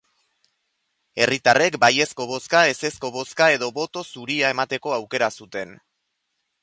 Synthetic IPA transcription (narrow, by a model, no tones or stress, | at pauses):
e̞rit̪are̞kbaje̞sko̞βo̞skae̞se̞sko̞βo̞skae̞ðo̞βo̞t̪o̞suɾiae̞mat̪e̞ko̞awke̞ɾasut̪e̞n